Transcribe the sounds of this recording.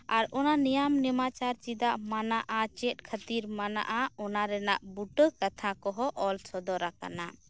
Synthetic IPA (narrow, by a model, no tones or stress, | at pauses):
aɾɔnanijamnɛmat͡ʃaɾt͡ʃid̪aʔmanaʔat͡ʃɛt̪̚ˀkʰət̪iɾmana̰ʔaɔnaɾɛnaʔbuʈəkat̪ʰãkɔɦɔʔɔlsʰɔd̪ɔɾaka̰na